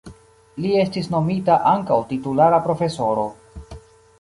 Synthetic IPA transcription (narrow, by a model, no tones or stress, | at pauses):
lie̞stisno̞mitaʔaŋkawtitulaɾapɾo̞fe̞so̞ɾo̞